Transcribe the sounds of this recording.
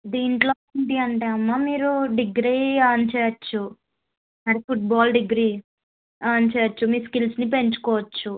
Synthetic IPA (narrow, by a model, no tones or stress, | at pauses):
d̪iːɳʈloːnd̪iɐɳʈeːɐmːaːmiːɾuɖiɡɾiːaːnt͡ʃɛːjɐt͡ʃːu | ɐɽipʰuʈ̚baːlɖiɡɾiː | aːnt͡ʃɛːjɐt͡ʃːumiːskilsnipe̞ɲt͡ʃu̥kɔːʋɐt͡ʃːu